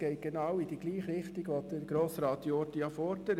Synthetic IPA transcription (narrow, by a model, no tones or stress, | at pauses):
ɛɪt̚ɡ̥enɑwidiɡliːχɾɪχtiɡʋodəɾɡ̥ɾoːsɾɑːt̪jɔːɾdijɑfɔɾdəɾ